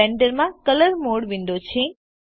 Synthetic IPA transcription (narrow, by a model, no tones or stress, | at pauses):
ɛ̃ɳɖəɾmãkələɾmoɽʋĩɳɖot͡ʃʰe